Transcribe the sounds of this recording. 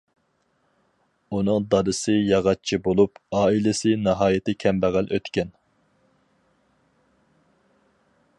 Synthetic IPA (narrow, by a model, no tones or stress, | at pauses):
unɨŋd̪ɑɾɨsɨjɑʁɑt͡ʃʰibolˠupɑːilɪsɪnɑɦɑːjɪt̪ɪkʲʰɛmbæʁælʔøt̪kʲɛn